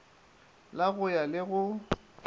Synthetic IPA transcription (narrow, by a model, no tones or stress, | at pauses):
laɣʊjalɪɣʊ